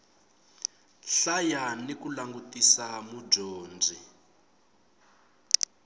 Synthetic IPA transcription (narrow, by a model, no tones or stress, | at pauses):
ɬajanikulaŋɡutisamub͡ʐoːnd͡zi